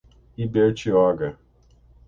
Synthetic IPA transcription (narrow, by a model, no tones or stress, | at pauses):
ibet͡ʃiɔɡa